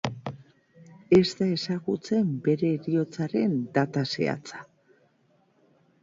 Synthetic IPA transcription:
e̞zt̪ae̞saɣut͡se̞mbe̞ɾe̞ɾio̞t͡saɾe̞nd̪at̪asḛa̰t͡sḁ

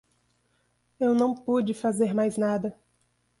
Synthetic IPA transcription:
ewnɐ̃w̃pud͡ʒɪfazeɾmajznad̪ɐ

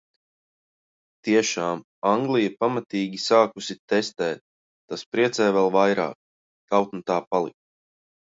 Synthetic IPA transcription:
t̪iɛʃaːm | aŋɡlˠijɛpamat̪iːɡʲisaːkusit̪ɛst̪ɛːt̪̚ː | aspɾiɛt̪sɛːvɛlˠvajɾa̰ːk̚ | t̪awt̪nut̪aːpalˠḭk̚

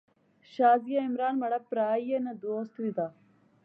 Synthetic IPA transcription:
ʃaːzijɐimɾaːnmɐɽɐpɾaːjjɐnɐd̪oːst̪ʋid̪a

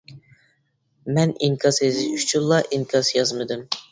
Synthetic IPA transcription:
mɛniŋkʰʲɑsezɪyt͡ʃʰynlːˠɑʔiŋkʰɑsjɑzmɨd̪ɨm

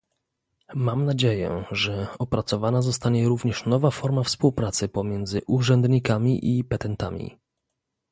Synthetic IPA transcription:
mamnad͡ʑejɛ̰ʐɛɔpɾat̪sɔvanazɔst̪aɲɛɾuvɲɛʂnɔvafɔɾmafspuwpɾat̪sɘpɔmʲjɛnd̪zɘʔuʐɛnd̪ɲikamʲiʔipɛt̪ɛnt̪a̰mʲḭ

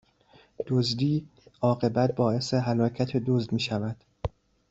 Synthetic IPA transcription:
d̪̥ozd̪iːɒːɣe̞bæt̪̚bɒːe̞se̞ɦælɒːcʰæt̪ʰe̞d̪ozd̪miːʃævæd̪̥

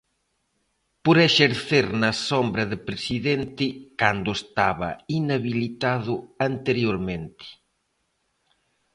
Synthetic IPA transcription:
poɾeʃeɾθeɾnɐsombɾɐðɪpɾesiðent̪ɪkand̪ʊest̪aβɐ̰inaβilit̪aðʊant̪eɾjoɾmẽnt̪ɪ̥

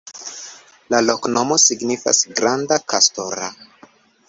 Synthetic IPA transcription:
lalo̞kno̞mo̞siɡnifa̰sɡɾandakasto̞ɾa

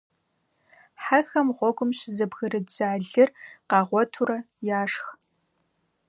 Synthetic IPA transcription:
ħaxɐmʁʷɔɡʷʊmʃɪzɐbɣɨɾɨdzaːɮɨrqɑːʁʷɔtʰuɾɐ | jaːʂx

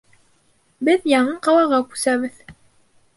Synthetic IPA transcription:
bɘðjɑɴɤqɑlˠɑʁɑkʉ̥sæβɘð

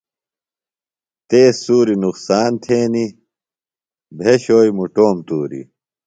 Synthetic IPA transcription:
t̪eːsːuːɾinuqsaːnt̪ʰeːni | bʱeɕoːjmuʈoːmt̪uːɾḭ

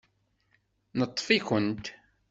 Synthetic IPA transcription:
nət̪ˤːfikʷənt̪

